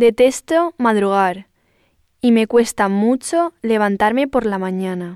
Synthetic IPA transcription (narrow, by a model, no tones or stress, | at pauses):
d̪et̪est̪omaðɾuɣ̞aɾ | imekwest̪amut͡ʃoleβ̞ant̪aɾmepoɾlamãɲana